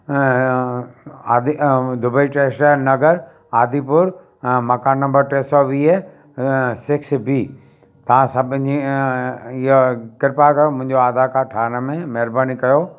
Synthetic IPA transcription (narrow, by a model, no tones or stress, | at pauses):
aːd̪id̪ʊbəiʈeːsʈəɾnɐɡəɾ | aːd̪ʱipʊɾ | mɐkaːnːɐ̃mbəɾʈeːsɔʋiːe | sɪksbiː | t̪ɐʋ̤ãsɐbʱɪ̃d͡ʑi | ɪɦokɪɾpakɐjomʊ̃ɦɪ̃ɲd͡ʑoaːd̪ʱakʰãʈʰaːnəmẽmɐɦɪɾbaːnikɐjo